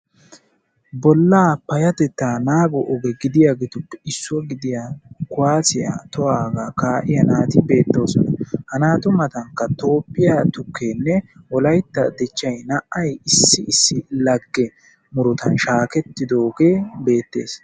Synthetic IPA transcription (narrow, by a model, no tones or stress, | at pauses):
bɔlːaːpɐjɐt̪ɛt̪ːaːnaːɡɔʔɔɡɛɡɪd̪ɪjaːɡɛt̪ʊpːɛɪsːʊɔɡɪd̪ɪjaːkʊwaːsɪja̰ːt̪ɔaːɡaːkaːʔɪjɐnaːt̪ɪbe̞ːt̪ːo̞ːsɔnɐhɐnaːt̪ʊmɐt̪ɐŋkːɐt̪o̞ːpːɪjaːt̪ʊkːeːnːɛwɔlɐjt̪ːɐd̪ɛt͡ʃːɐjnɐʔɐjɪsːɪɪsːɪlɐɡːɛ | mʊɾʊt̪ɐnʃaːkɛt̪ːɪd̪o̞ːɡe̞ːbe̞ːt̪ːe̞̰ːs